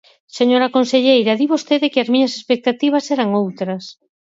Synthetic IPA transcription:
seɲoɾakonseʎejɾɐðiβost̪eðɪkɪɐzmĩɲɐse̥spek̚t̪at̪iβ̞ɐsɛɾaŋowt̪ɾɐs

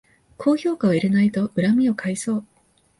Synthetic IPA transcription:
kʰo̞ːço̞ːkaβiɾenait̪o̞ɯ̟ɾamʲio̞kʰaiso̞ː

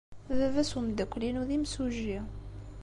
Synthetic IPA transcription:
ðævæsumd̪ækʷːlinuðimsuʒi

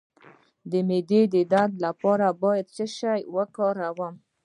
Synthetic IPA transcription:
d̪əmed̪ed̪əd̪ad̪lapɑɾabɑjad̪̚səʃajwəkɑɾawəm

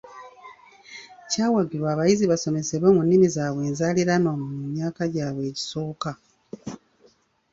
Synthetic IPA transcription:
caːwaɡiɾwaːβajiziβaso̞me̞se̞βwe̞munːimizaːβwe̞ːnzaːliɾanomumaːkaɟaːβwe̞ːci̥so̞ːka

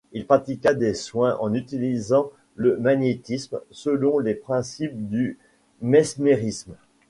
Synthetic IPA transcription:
ilpχat̪ikad̪eswɛ̃ʔɑ̃nyt̪ilizɑ̃ | ləmaɲjet̪ismsəlɔ̃lepχɛ̃sip̚d̪y | mɛsmeʁism

